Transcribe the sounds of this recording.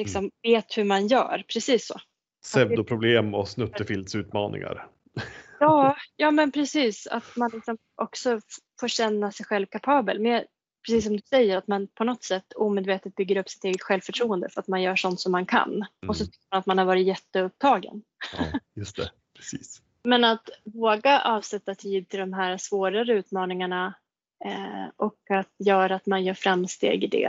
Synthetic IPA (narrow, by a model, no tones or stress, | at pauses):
lɪksɔmveːt̪hɵmanjœ̰ːɾpʰɾɛsiːsːo̰ː | sɛvd̪ʊpʰɾʊbleːmɔsnɵt̪ːəfɪld̪sʉ̟ːt̪mɑ̰ːnɪ̰ŋa̰ɾ | jɑːjɑːmɛnpʰɾɛsiːsa̰t̪manlɪksɔm | ʔɔksɔfoːɾɕɛnːasɛjɧɛlvkʰapʰɑːbə̰lmɛː | pʰɾɛsiːs̬ːɔmd̪ɵsɛjːəɾat̪manpʰɔnɔt̪sɛt̪ːuːmeːd̪veːt̪ət̪̚bʏɡːəɾɵpːsɪ̥t̪eːɡət̪ɧɛlvfœʈʰɾuːənd̪əfœɾat̪manjœːʂɔnt̪sɔmːankʰa̰nɔsɔt̪ʰʏ̥kʲːəɾmanat̪manhaɾvɑːɾɪt̪jɛt̪ːəɵp̚t̪ʰɑːɡə̰n | jɵst̪ɛ̰ | pʰɾɛsiːs | mɛnat̪voːɡaʔɑːvsɛt̪ːat̪ʰiːd̪̚t̪ʰɪld̪ɔmɦæːɾsvoːɾaɾəʉ̟ːt̪mɑːnɪŋaɳa | ʔɔkat̪jœːɾaːt̪manjœːɾfɾamːst̪ḛːɡɪd̪ɛ̰